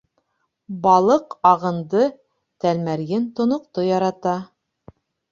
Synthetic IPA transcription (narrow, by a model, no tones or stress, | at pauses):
bɑlˠɤqɑʁɤ̆nd̪ɤ | t̪ælmæɾɡɘnt̪ŏnŏq̚t̪ojɑɾɑt̪ɑ